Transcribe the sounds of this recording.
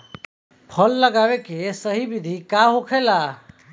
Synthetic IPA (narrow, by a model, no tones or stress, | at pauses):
pʰəlːəɡaʋekesəɦibid̪ʱikaɦokʰela